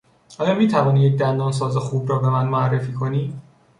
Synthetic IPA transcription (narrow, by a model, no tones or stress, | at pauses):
ʔɒːjɒːmiːt̪ʰævɒːniːjec̚d̪ænd̪ɒːns̬ɒːzexuːbɾɒːbe̞mænmoærːe̞fiːkʰoniː